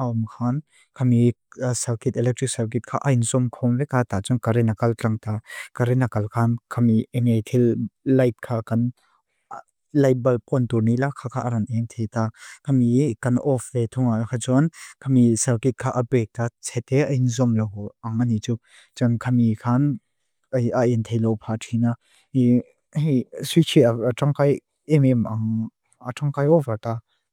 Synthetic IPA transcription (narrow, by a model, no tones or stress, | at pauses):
ʔaɔmkʰan | kʰamisɐlkit̪̚ɛlɛk̚tʰrik̚salk̬it̚kʰaːʔajinzɔmkʰɔmvɛkat̪at͡sɔnkaɾɛnakɐlt͡ɬaŋt̪akaɾɛnakɐlkʰankʰamiɛŋejt̪ʰilːɐjt̚kʰaːkɐn | lɐjbɐlpɔnt̪urnilakʰakʰaːʔɐɾɐnʔɛŋt̪ʰɛjt̪aːkʰɐmikɐnʔɔfvet̪ʰʊŋakʰat͡sɔnkʰamisɛlkit̚kʰːaːʔɐpɛk̚t̪at͡sʰɛt̪ːɛʔɐjinzɔmlɔwaŋanit͡su | t͡sankʰɐmikʰan | ɐjaʔɛnt̪ʰejlɔwpʰatʰina | i | sit͡ʃʰiaaʈ͡ʂaŋkaj | imimʔaŋ | aʈ͡ʂaŋkajɔfat̪a